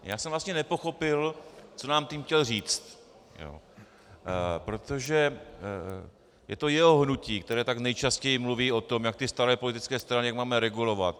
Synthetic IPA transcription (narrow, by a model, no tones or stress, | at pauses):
ja̰ːsɛmvlast̪ɲɛnɛpo̞xo̞pɪlt͡so̞naːmt̪iːmxcɛlriːt͡st̪ | jo̰ | pɾo̞t̪oʒɛ | jɛ̰t̪o̞jɛɦo̞ɦnuciːkt̪ɛɾɛːt̪aknɛjt͡ʃascɛjɪmluviːo̞t̪o̞mjak̚t̪ɪst̪aɾɛːpo̞lɪt̪ɪt͡skɛːst̪ɾanɪjakmaːmɛɾɛɡulo̞va̰t̪